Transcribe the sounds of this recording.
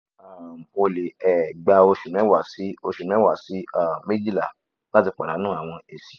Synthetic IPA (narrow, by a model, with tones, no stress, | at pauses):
a˨o˧le˨ɛ˨ɡ͡ba˧o˧ʃu˨nɛ̃˨˦wa˨si˨˦o˧ʃu˨nɛ̃˦wa˨si˨˦a˦˨me˦d͡ʒi˦la˨ | la˦ti˧k͡pa˨ɾa˨˦nũː˦a˨w̃ɔ̃˧e˨si̥˨